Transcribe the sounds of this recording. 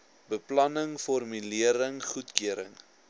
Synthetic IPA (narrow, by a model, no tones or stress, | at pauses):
bəplɐnəŋfɔrmyliəɾəŋχutkyəɾə̰ŋ